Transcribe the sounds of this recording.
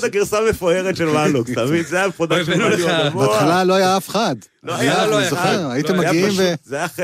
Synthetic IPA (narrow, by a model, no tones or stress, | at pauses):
taɡiʁsamefoeʁetʃelmalukt̪amid̪zeameχod̪aʃolambat̪χalalo̞ajaafχad̪ | oajalozoχeʁajit̪emajaɡiimvezeaχe